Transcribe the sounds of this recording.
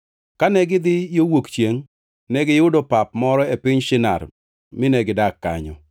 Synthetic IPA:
kanɛɡɪd̪ɪjowokt͡ʃjeŋ | nɛɡɪjʊdopapmɔɾɔepɪɲʃɪna̰r | mɪnɛɡɪdakːa̰ɲɔ̰

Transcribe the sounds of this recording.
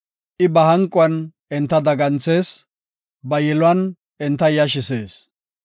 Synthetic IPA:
ʔɪbɐhɐŋkʼːʊɐnʔɛnt̪ːɐd̪ɐɡɐnt͡se̞ːs | bɐjɛlʊɐn | ɪnt̪ːɐjɐʃ̬ɪse̞ːs

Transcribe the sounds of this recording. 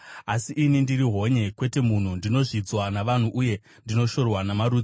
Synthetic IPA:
asiʔinindiriɦo̞ɲe̞kwe̞te̞mun̤undino̞ʐid͡zwanaʋan̤uʔuje̞ | ndino̞ʃo̞rwanamaɾuːd͡zi

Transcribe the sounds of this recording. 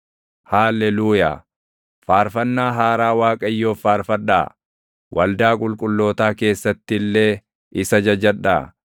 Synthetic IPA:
haːlːɛluːja̰ː | faːɾfɐnːaːɦaːɾaːwaːkʼɐjːo̞ːfaːɾfɐᶑa̰ː | wʔɐld̪aːkʼʊlkʼʊlːo̞ːt̪aːke̞ːsːɐt̪ːɪɪlːe̞ː | ʔɪsɐd͡ʒɐd͡ʒɐᶑa̰ː

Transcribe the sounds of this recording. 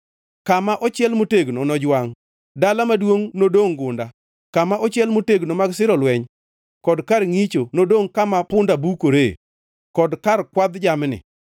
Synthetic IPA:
kamaʔɔt͡ʃɪɛlmoteɡnonɔd͡ʒwaŋ | dalamadwoŋnodoŋɡʊnda | kamaʔɔt͡ʃjɛlmoteɡnomaɡsɪɾɔlwɛɲ | kɔdkarŋit͡ʃonodoŋkamapʊndabukoɾḛ | kɔdkarkwad̪d͡ʒamnɪ̰

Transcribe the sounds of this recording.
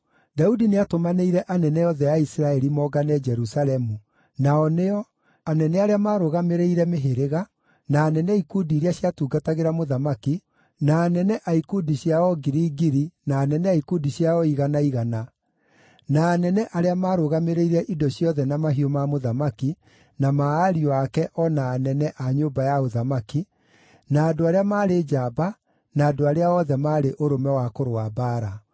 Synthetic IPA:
daudineatomaneiɾɛʔanɛnɛjɔðɛjaisɾaɛɾimɔɡanɛd͡ʒɛɾusalɛmu | naɔneɔ | anɛnɛaɾeamaːɾoɣameɾeiɾɛmeɦeɾeɣa | naːnɛnɛikudiːɾiaɕjatuːɡataɣeɾamoðamaki | naːnɛnɛʔaikudiɕjaɔɡiɾiːɡiɾinaːnɛnɛaikudiɕjaɔiɣanaiɣana | naːnɛnɛʔaɾeamaːɾoɣameɾeiɾɛʔidɔɕjɔðɛnamaɦiomamoðamaki | namaːɾiɔakɛʔɔnaːnɛnɛʔaɲoːbajaoðamaki | naːdoaɾeamaːɾed͡ʒaːba | naːdoaɾeaɔðɛmaːɾeʔoɾomɛwakoɾoabaːɾa

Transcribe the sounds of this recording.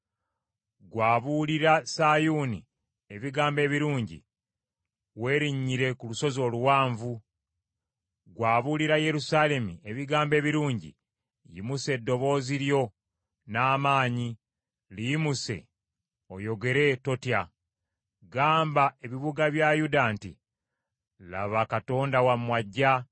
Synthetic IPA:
ɡwaːβuliɾasajunḭ | e̞βiɡaːmbe̞ːβiɾuːɲɟḭ | we̞ːɾiɲːiɾe̞kuluso̞zo̞ːluwaːɱvu | ɡwaːβuliɾaje̞ɾusale̞mieβiɡaːmbe̞ːβiɾuːɲɟḭ | jḭmuse̞dːo̞βo̞ːziɾjo̞ | naːmaːɲi | lijimuse̞̰ | o̞jo̞ɡe̞ɾe̞to̞tja | ɡaːmbae̞βiβuɡaβjajudantḭ | la̰βakato̞ːndawamwaɟːa

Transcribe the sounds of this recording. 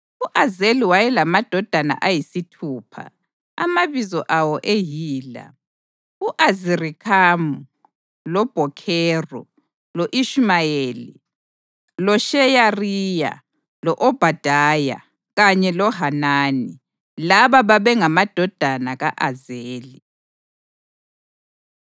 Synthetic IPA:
uʔazeliwajɛlamad̥ʱɔd̥ʱana̰ʔajisitʰuːpʰa̰ | a̰maβizɔʔawɔʔejiːla̰ | uʔazirikʰamu | lɔb̥ʱɔkʰɛːrɔ̰ | loʔiʃmajeːli | lɔʃɛjariːja̰ | lɔʔɔb̥ʱad̥ʱaja̰ | ɣaɲɛlɔɦanaːni | laβaβaβɛŋamad̥ʱɔd̥ʱanaɣaʔazeːli

